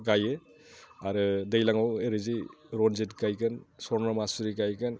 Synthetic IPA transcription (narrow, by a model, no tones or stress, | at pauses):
ɡajɯ | aɾɯdɯjlaŋaweɾɯziɾɔnzetɡajkɯnsɔɾnamasuɾiɡajkɯn